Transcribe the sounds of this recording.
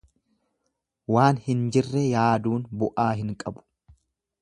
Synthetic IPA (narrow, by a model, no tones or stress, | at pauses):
waːnhɪnd͡ʒɪrːɛjaːd̪uːnbʊʔaːɦɪŋkʼɐbʊ̥